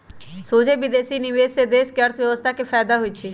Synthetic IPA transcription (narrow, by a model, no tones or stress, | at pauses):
soːd͡ʒeːbɪd̪eːsiːnɪʋeːsed̪eːskeəɾt̪ʰʋjəʋəst̪ʰaːkepʰɛːd̪aɦoiːt͡ʃʰiː